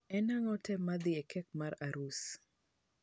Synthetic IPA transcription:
ɛnaŋɔtɛmad̪iɛkɛk̚maɾaɾus

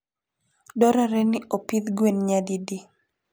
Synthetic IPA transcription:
dɔɾaɾɛnɪʔopid̪ɡwenɲadidi

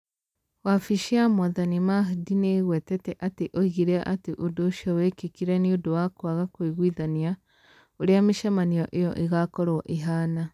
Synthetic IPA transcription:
wafiʃiamɔðanimaɦdineɣwɛtɛtɛʔateʔoiɣiɾɛaʔateʔodoːʃiɔwɛkekiɾɛniodowakwaɣakwiɣwiðania | oɾeameʃamaniɔʔejɔ̰ʔiɣakɔɾwɔʔiɦaːna

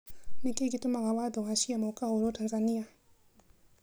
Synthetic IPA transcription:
nikekitumaɣawad̪ɔɦaʃiamaukaɦuɾɔtanzania

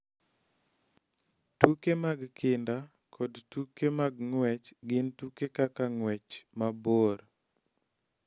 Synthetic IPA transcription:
tukemaɡkʰɪnda | kʰɔdtukemaɡŋwɛt͡ʃɡɪntukekakaŋwɛt͡ʃmaboɾ

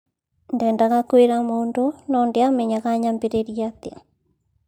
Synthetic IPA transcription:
ndɛːndaɣakweɾamoːndonɔndeamɛɲaɣaɲambeɾeɾiatea̰

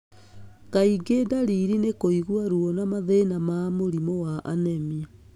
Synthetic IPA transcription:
kaiɡedaɾiɾinekoiɣwaɾuɔnamaðenamaːmoɾimɔwaʔanɛmi

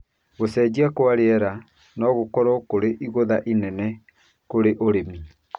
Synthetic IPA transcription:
ɣosɛːd͡ʑiakwaɾeɛɾa | nɔɣokɔɾɔkoɾeʔiɣoðaʔinɛnɛ | koɾeʔoɾemi

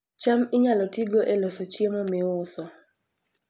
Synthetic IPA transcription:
t͡ʃamɪɲalɔtiɡoʔelosɔt͡ʃjemɔmɪʊsɔ

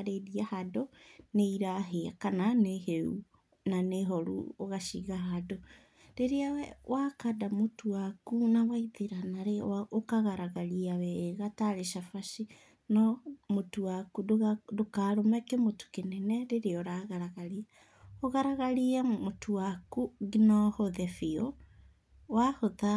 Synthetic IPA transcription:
ɾeðiahadɔneiɾaɦeakananeheṵ | naneɦɔɾṵoɣaʃiɣaɦado | ɾeɾeawakadamotuwakunawaiðeɾanaɾeaokaɣaɾaɣaliawɛɣataɾeʃafaʃi | nɔmotuakudokaːɾomɛkɛmotu̥kenɛnɛɾeɾeɔɾaɣaɾaɣalia | oɣaɾaɣaɾiamotʰuwakuɡinɔhoðɛfio | wahoða

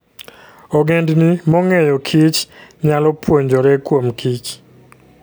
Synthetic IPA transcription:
ɔɡendnimɔŋɛjɔkʰit͡ʃɲalɔpwoɲd͡ʒɔɾɛkwomkit͡ʃ

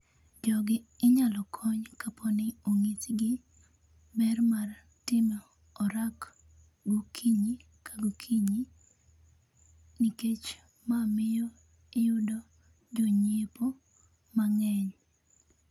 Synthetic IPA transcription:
d͡ʒɔɡɪɪɲalɔkʰɔɲkapʰonɪoŋitɡɪ | bɛrmar | tɪmɔ | ɔɾak | ɡokʰiɲi | kaɡokʰiɲi | niket͡ʃ | mamɪjɔ | ɪjʊdo | d͡ʒoɲepo | maŋɛɲ

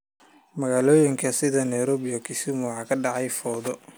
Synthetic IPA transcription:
mɐɣaːlɔːjɪŋkʰɐsɪðɐnɐjɾɔːβɪjɔkʰɪsɪmʊħɑːkʰɐɖɑʕɑjfɔːðɔ

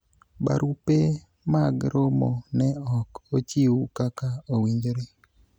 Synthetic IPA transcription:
ba̰ɾupe | maɡɾomo̰nɛɔkot͡ʃiwukakaowiɲd͡ʒoɾe

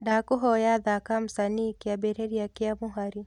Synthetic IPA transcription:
daːkuɦɔjaðakam̩sanikiabɛɾeɾiakiamuɦaɾi

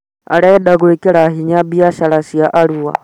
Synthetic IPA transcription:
a̰ɺɛɛɗaɣuɛkʼɛɺaɦiɲabiaʃaɺasijaʔaɺuwa̰

